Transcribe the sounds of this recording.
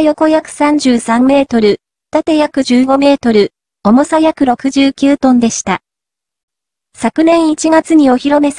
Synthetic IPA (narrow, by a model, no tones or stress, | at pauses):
jo̞ko̞jakɯ̟̥sãɲ̟d͡ʑɨːsãmːe̞ːt̪o̞ɾɯ̟ | t̪at̪e̞jakɯ̟ʑɨːɡo̞me̞ːt̪o̞ɾɯ̟ | o̞mo̞sajakɯ̟ɾo̞kɯ̟ʑɨːkʲɨːt̪õ̞nd̪e̞ɕi̥t̪a | sakɯ̟nẽ̞ɰ̃it͡ɕiɡat͡sɨɲ̟io̞çiɾo̞me̞s